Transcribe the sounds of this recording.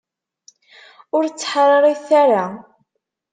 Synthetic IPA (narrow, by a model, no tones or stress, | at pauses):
ʊɾt͡sːħɾˤɑɾˤiθaɾa